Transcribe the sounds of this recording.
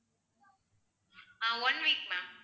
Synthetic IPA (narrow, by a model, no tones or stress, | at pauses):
awʌ̃nwiːk̚mãm